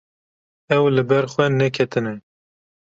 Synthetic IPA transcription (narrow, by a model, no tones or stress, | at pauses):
ɛwlɨbɛɾxwɛnɛkʰɛt̪ɨnɛ